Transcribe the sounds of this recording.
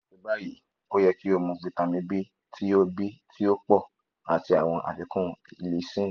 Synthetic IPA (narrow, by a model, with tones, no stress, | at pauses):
i˨˧ba˦ji˨ | o˦jɛ˧ki˦o˦˧mɔ̃˧k͡pi˧tã˧mĩ˧bi˦ | tʰi˦o˦bi˦tʰi˦o˦k͡pɔ˦˨ | a˨ti˧a˨w̃ɔ̃˧ʔa̰˨fi˨˧˦kũ˦˨i˨le˧˦sĩ˦˨